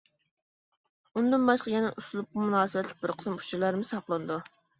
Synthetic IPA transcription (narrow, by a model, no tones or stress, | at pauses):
und̪ɨnbɑʃqɑjɛnɛʔusulˠup̚qɑmunɑːsɨwɛt̪lʲɪk̚ʲbɪɾqʰə̥sɨmu̥t͡ʃiɾlˠɑɾmɨsɑqlˠɨnɨd̪u